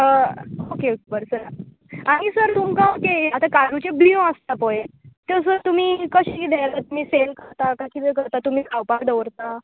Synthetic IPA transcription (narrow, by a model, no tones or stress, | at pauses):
əokeokebəɾsəɾ | aɽ̃isəɾt̪umkãwkeat̪akaɾut͡ɕebiõəst̪apɔet̪es̬əɾt̪um̤iːkəɕiid̪ʱelat̪um̤iːselkəɾt̪akaɕiːd̪eɾkəɾt̪at̪um̤iːkʰawpakd̪əʋɾt̪a